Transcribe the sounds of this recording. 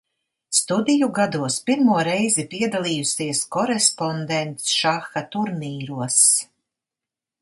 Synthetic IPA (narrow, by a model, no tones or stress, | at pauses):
st̪ud̪ʲijuɡad̪uɔspiɾmuɔɾɛjzipiɛd̪alˠiːjusiɛskɔɾɛspɔnd̪ɛnt̪sʃaxat̪uɾmʲiːɾuɔs